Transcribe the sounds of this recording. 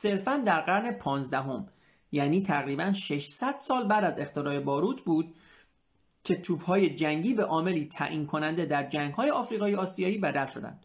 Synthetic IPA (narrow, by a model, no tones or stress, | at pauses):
se̞ɾfænd̪æɾɢæɾne̞pʰɒːnzd̪æɦo̞m | jæːniːt̪ʰæɣɾiːbænʃe̞ʃsæd̪̥sɒːlbæd̪æze̞xt̪ʰeɾɒːɾe̞bɒːɾuːt̪ʰbuːd̪̥̚ | cʰe̞t̪ʰuːbhɒːje̞d͡ʒæŋɟiːbeʔɒːme̞liːt̪ʰæ̰ʔiːnkʰo̞nænd̪e̞d̪æɾd͡ʒæŋɡ̥hɒːjeɒːfɾiːɣɒːjeɒːsijɒːiːbæd̪ælʃo̞d̪æ̰nd̪̥